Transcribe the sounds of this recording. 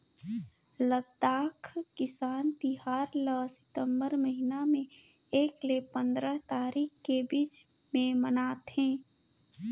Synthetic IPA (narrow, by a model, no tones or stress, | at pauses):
lət̪aːkʰkɪsaːnt̪iɦaːɾləsɪ̥t̪ə̃mbəɾməɦinamẽ | eːklepə̃nd̪ɾət̪aːɾiːkkːebiːt͡ʃ | mẽmənaːt̪ɦɛ̃ː